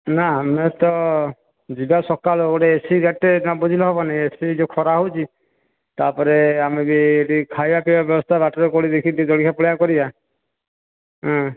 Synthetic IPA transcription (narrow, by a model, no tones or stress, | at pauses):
naamet̪ɔ | d͡ʒibasɔkalɔɡoʈeesiɡaʈːeãbɔd͡ʒʱilɔɦɔbɔnaiesid͡ʒekʰɔɾaɦot͡ʃʰi | t̪apɔɾeamebiːʈikʰajbapɛbabjɔbɔst̪ʰabaʈɔɾekɔɽid̪ekʰit̪id̪ɔɽikʰapɔɭjakɔɾiba | ɦɔ̃